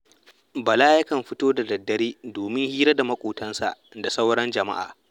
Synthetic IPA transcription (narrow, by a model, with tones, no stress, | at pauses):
bɐ˨laː˦jɐ˦kɐ˨mɸɪ˦toː˦da˨dɐ˨dːɐ˨˦ɾiː˦doː˨mɪ˦ŋhiː˦ɾɐ˦da˨mɐ˦kʷʼuː˨tɐ˦nsa̰˨ʔda˨sa˦wɽɐ˦nd͡ʒɐ˨ma̰˦ʔa̰ː˨